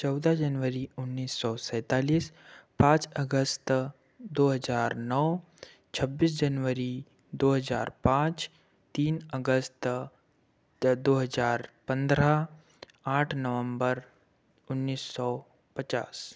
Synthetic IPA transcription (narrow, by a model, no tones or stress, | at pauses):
t͡ʃɔːd̪ad͡ʒənʋəɾiʊnːiːsːɔsɛ̃ːt̪aːliːspãːt͡ʃəɡəst̪ | d̪oːɦɐzaːɾnɔː | t͡ʃʰɐbːiːs̬d͡ʒənʋəɾi | d̪oːɦəza̰ːɾpãːt͡ʃ | t̪iːnəɡəst̪ | d̪oːɦəzaːɾpə̃nd̪ɾa | aːʈʰnəʋə̃mbəɾ | ʊnːiːsːɔ | pət͡ʃa̰ːs